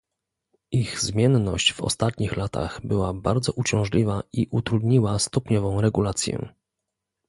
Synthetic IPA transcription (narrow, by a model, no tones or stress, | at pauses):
ʔiɣzmʲjɛnnɔɕt͡ɕvɔ̰st̪at̪ɲixlat̪ʰa̰ɣbɘwabaɾd̪zɔʔut͡ɕɔ̃w̃ʐlʲivaiʔut̪ɾud̪ɲiwast̪ɔpɲɔvɔ̃w̃ɾɛɡulat̪sʲjɛ̰